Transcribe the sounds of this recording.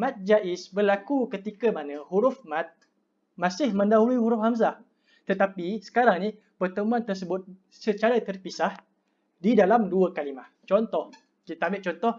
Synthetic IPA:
mãt̪̚d͡ʒaʔɪsbərlakukət̪ikəmanə̃huɾʊfmãt̪̚ | mãsɪhmə̃ndaɦuliɦuɾʊfhamza | t̪ət̪apisə̥kaɾaŋni | pərt̪əmũant̪ərs̬əbʊt̪̚ | sət͡ʃaɾat̪ərpisah | didalamduəkalimaht͡ʃɔnt̪ɔh | kit̪aambɪʔ̚t͡ʃɔnt̪ɔh

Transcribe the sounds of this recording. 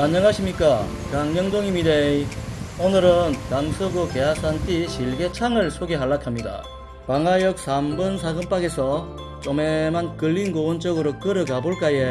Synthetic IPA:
maɲːʌŋɦaɕʰimɲik͈a | kaŋɲʌŋdoŋimide | onɯɾɯntaŋsʰɯɡoke̞ɦas͈ʰantʰiɕiɭɡe̞t͡ɕʰaŋɯɭsʰoɡe̞ɦaɭːakʰamɲida̰ | paŋajʌk̚sʰambɯnsʰaɡɯmp͈aɡe̞sʰʌ | t͡ɕ͈ʌme̞mankɯɭːinɡowʌnt͡ɕ͈ʌɡɯɾok͈ɯɾɯɡaboɭk͈aje

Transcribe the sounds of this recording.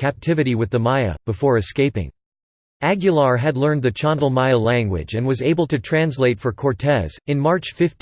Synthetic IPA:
kʰæp̚tʰɪvɨɾiwɨðəmaɪɨ̰b̥əfɔɹɨskeɪpɪ̰̃ŋ | æɡjɨlˠɑɹɨdˡlɜ̃˞nðɨt͡ʃʰɑ̃ndl̩ˠmaɪəlæ̃ŋɡwɪ̰d͡ʒɨ̃nwʌzeɪbl̩ˠtɨtʰɹ̥æ̃nsleɪtfə˞kʰɔɹtʰɛz̥ɨ̃nmɑɹt͡ʃfɪft

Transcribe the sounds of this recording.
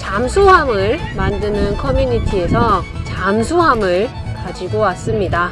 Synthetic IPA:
t͡ɕamsʰoɦamɯɭmandɯnɯnkʰʌmjuɲitʰie̞sʰʌt͡ɕamsʰoɦamɯɭkad͡ʑiɡowas͈ɯmɲida

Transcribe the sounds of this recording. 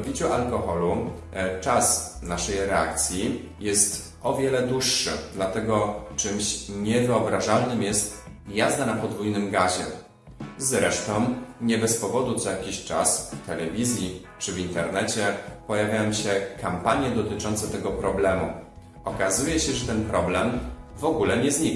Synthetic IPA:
bʲit͡ɕuʔalkɔxɔlu | t͡ʂas | naʂɛjɾɛa̰k̚t̪sʲji | jɛst̪ | ɔvʲjɛlɛd̪wuʂːɘ̰d̪lat̪ɛɡɔt͡ʂɘmɕɲɛvɘɔbɾaʐalnɘmjɛst̪jazd̪anapɔd̪vujnɘmɡaʑɛ | zɾɛʂt̪ɔ̃w̃ɲɛbɛspɔvɔd̪ut̪sɔjakʲiɕt͡ʂasft̪ɛlɛvʲizʲji | t͡ʂɘvint̪ɛɾnɛt͡ɕɛpɔjavʲjajɔ̃w̃ɕɛkampaɲjɛd̪ɔt̪ɘt͡ʂɔnt̪sɛt̪ɛɡɔpɾɔblɛmṵ | ɔkazujɛɕɛʐɛt̪ɛnpɾɔblɛmvɔɡulɛɲɛzɲik

